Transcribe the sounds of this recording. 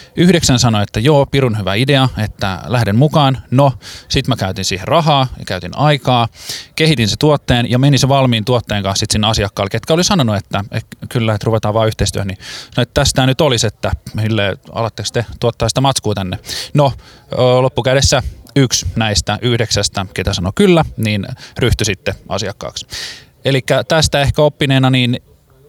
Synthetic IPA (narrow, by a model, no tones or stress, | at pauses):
yhdeksænsɑnoet̪ːæjoːpiɾunhyʋæ̰ideɑet̪ːæ̰læhɾemmukɑːnnosit̪mækæyt̪insiːherrɑɦɑːjɑ̰kæyt̪inɑikɑːkehit̪inset̪uot̪ːeːnjɑmeniseʋɑlmiːnt̪uot̪ːeːŋkɑ̃nsit̪sinːeɑsiɑkːɑːlket̪kæolisɑnonuet̪ːæḛkylːæet̪ruʋet̪ɑːʋɑːyht̪eist̪yøhænisɑnoet̪ːt̪æst̪æːnyt̪oliset̪ːæsilːeːɑ̰lɑt̪ːekst̪et̪uot̪ːɑːsi̥t̪æmɑt̪skuːt̪ænːeno | lopːukæɾesːæyksnæist̪æʔyhdeksæst̪æket̪æsɑnokylːæniːnryht̪ysit̪ːeɑ̰siɑkːɑ̰ːks | elikːæt̪æst̪æehkæopːineːnɑniːn